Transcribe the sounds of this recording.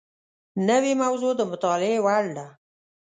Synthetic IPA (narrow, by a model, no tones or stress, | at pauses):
nəwemawzod̪əmʊt̪ɑlɪewaɽɖa